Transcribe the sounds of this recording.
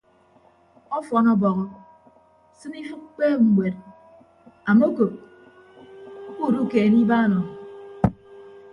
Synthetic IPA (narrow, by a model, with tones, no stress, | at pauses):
ɔ˦fɔ˨nɔ˦bɔ˨ɣɔ˦ | sɨ˦ni˦fɨ˦k̚k͡pe˦m̩˨mʷe˨t̚ | a˨mo˦ko˨p̚ | ku˦˨du˦ke˨ni˦ba˦˨nɔ˨